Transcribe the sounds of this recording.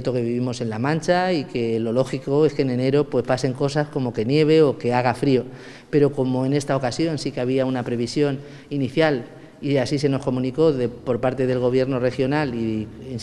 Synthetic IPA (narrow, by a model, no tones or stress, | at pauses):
t̪o̞ke̞βiβimo̞se̞nlamãnt͡ʃaike̞lo̞lo̞xiko̞e̞skene̞ne̞ɾo̞pwe̞spase̞ŋko̞sasko̞mo̞ke̞nje̞β̞e̞oke̞aɣ̞afɾio̞ | pe̞ɾo̞ko̞mo̞ene̞st̪ao̞kasjo̞nsikeaβ̞iaunapɾe̞βisjo̞n | iniθjal | iasise̞no̞sko̞mũniko̞ðepo̞ɾpaɾt̪e̞ðe̞lɣo̞βje̞ɾno̞re̞xjo̞nalien